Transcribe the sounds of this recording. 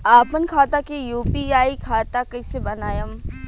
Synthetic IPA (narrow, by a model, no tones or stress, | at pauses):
aːpənkʰaːt̪akejuːpiaːikʰaːt̪akɐisebɐnaːjəm